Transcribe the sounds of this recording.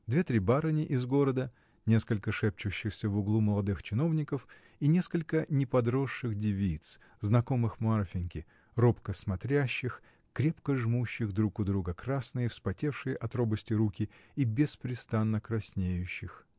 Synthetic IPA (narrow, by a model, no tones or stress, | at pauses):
d̪vʲet̪ɾʲibaɾɨnʲɪʔɪzɡo̞ɾəd̪ə | nʲe̞skəlʲkəʂɛp̚t͡ɕʊɕːɪxsʲəvʊɡlˠuməlˠɐd̪ɨxt͡ɕɪno̞vnʲɪkəf | inʲe̞skəlʲkənʲɪpɐd̪ɾo̞ʂːɨɣdʲɪvʲit̪s | znɐko̞mɨxmarfʲɪnʲkʲɪ | ropkəsmɐt̪ɾʲæɕːɪx | kɾʲe̞pkəʐmuɕːɪɣd̪ɾukʊd̪ɾuɡəkɾasnɨjəfspɐtʲe̞fʂɨjəʔɐt̪ɾo̞bəsʲtʲɪɾukʲɪibʲɪspɾʲɪst̪anːəkɾɐsʲnʲejʉɕːɪx